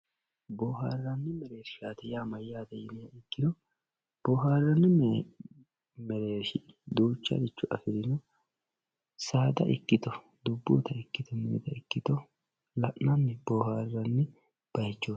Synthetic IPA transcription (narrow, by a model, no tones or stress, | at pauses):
boːɦaːrːɐnːɛmɛɾeːɾʃaːt̪ɛjaːmɐjːaːd̪ɛjɪnɪjaɪkːɪd̪ɔ | b̥oːɦaːrːɐnːɛ | mɛɾeːɾʃɪd̪uːt͡ʃːɐ̰d̪ɪt͡ʃːʊʔɐ̰fɪɾɪnɔ | saːd̪ɐ̰ʔɪkːɪt̪ɔ | d̪ʊbːṵːt̪ɐɪkːɪt̪ɔmɛːd̪ɐɪkːɪt̪ɔ | lɐʔnɐnːɛb̥oːhaːrːɐnːɛ | b̥ɐjt͡ʃːoː